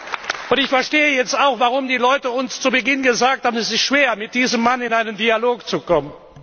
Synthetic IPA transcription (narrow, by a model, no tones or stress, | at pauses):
ʔʊntɪçfɛɐʃteːəjɛt͡staʊxv̥aʁʊmdiːlɔʏtəʊnst͡subəɡɪnɡəzaːk̚thaːbənɛsɪstʃv̥eːɐmɪt̚d̥iːzəmːanɪnaɪnəndialoːkt͡sukɔmən